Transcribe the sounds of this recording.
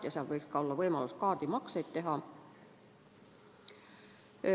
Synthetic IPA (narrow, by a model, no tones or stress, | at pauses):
jɑseælʋeiskɑolːɑʋoimɑluskɑːrt̪imɑkseit̪t̪ehɑ